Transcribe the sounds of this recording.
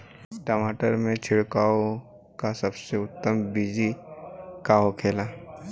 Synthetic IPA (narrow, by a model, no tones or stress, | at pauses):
ʈaːmaːʈəɾmẽt͡ʃʰɪɽkaːo | kasɐbseʊt̪ːəmbid͡ʒi | kaːɦokʰeːla